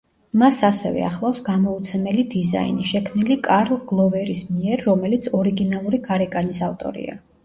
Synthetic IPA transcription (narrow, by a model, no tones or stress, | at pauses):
masasɛ̰vɛ̰a̰χlˠafsɡamɔut̪sʰɛmɛlid̪iza̰ḭniʃɛkʰmnilikʼaɾlˠɡ̥lˠɔvɛɾismiɛɾːɔmɛlit̪sʰɔɾiɡinalˠuɾiɡaɾɛkʼanisaft̪ʼɔ̰ɾḭa̰